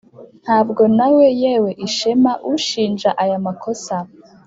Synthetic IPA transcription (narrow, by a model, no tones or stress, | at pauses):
n̥haːbɡo̞nawe̞jewe̞ʔiʃemaʔuʃiːnʒaʔajamakʰo̞sa